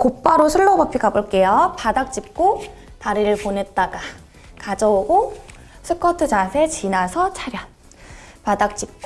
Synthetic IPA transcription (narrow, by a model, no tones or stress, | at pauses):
kop͈aɾosʰuɭːʌɡʌpʰiɡaboɭk͈e̞jopadak̚t͡ɕ͈ip̚k͈o | taɾiɾɯɭpone̞t̚t͈aɡa | kad͡ʑʌoɡo | sʰɯk͈ʰʌtʰɯd͡ʑasʰet͡ɕinasʰʌt͡ɕʰaɾjʌ | padak̚t͡ɕ͈ip̚k͈